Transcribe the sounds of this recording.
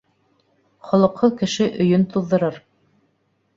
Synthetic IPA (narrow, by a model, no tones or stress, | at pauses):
χŏlˠɤ̆qːɤkɘ̆ʃɘʔɵ̆jɵnt̪uðːɤ̆ɾɤɾ